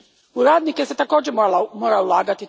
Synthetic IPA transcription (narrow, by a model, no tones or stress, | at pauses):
uɾad̪nikɛsɛt̪akɔd͡ʒɛmmɔɾawlaɡat̪i